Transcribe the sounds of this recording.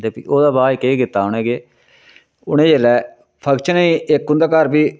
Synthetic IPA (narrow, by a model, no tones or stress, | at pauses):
d̪eːpḭːoːd̪aːbaːikeːkɪt̪ːaːʊɳ̃ẽːɡeː | ʊɽ̃ẽːd͡ʒeːlɛː | pʰəɡt͡ʃʰnəĩːɪkːʊ̃nd̪aːkəɾbiː